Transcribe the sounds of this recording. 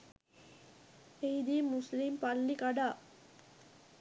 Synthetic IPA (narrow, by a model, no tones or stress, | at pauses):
eid̪iːmːuslimpalːikaɖaː